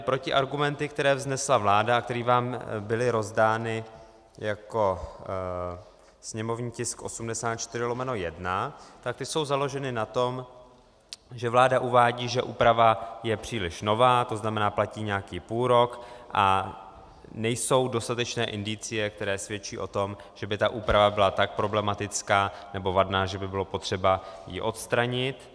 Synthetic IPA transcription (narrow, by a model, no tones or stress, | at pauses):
pɾo̞cɪʔaɾɡumɛnt̪ɪkt̪ɛɾɛːvznɛslavlaːdaak̚t̪ɛɾiːvaːmbɪlɪɾo̞zdaːnɪ | jako̞ | sɲɛmo̞vɲiːcɪskʔo̞̰sumdɛsaːt̪̚t͡ʃt̪ɪrɪlo̞mɛnojɛdnat̪ak̚t̪ɪso̞wzalo̞ʒɛnɪnat̪o̞m | ʒɛvlaːdaʔuvaːɟiːʒɛʔuːpɾavajɛpr̝̥iːlɪʃno̞vaːt̪o̞znamɛnaːplaciːɲɛakiːpuːlɾo̞kʔa | nɛjso̞wdo̞st̪at̪ɛt͡ʃnɛːʔɪndɪt͡sɪjɛk̚t̪ɛɾɛːsvjɛt͡ʃiːʔo̞t̪o̞mʒ̥ɛbɪt̪aʔuːpɾavabɪlat̪ak̚pɾo̞blɛmat̪ɪt͡skaːnɛbo̞vadnaːʒɛbɪbɪlo̞po̞t̪r̝̥ɛbajḭʔo̞t̪st̪ɾaɲɪt̪